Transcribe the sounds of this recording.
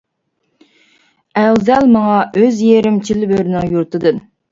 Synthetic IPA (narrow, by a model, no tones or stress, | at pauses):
æwzɛlmɑŋɑʔøzjeɾɪmt͡ʃʰilɪbøɾɪnɪŋjuɾt̪ɨd̪ɨn